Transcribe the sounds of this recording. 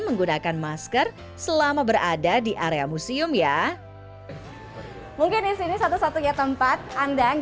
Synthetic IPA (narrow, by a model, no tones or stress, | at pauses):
məŋɡunakanmaskər | səlamabəɾadadiʔaɾeamusiʊmja | muŋkɪnisinisat̪usat̪ujat̪əmpat̪̚andaŋ